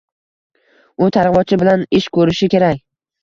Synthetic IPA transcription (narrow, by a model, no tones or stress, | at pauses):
ʊt̪ʰaɾvɒt͡ʃʰɪbɪlanɪʃkʰɵɾɪʃɪkʲe̞ɾakʲ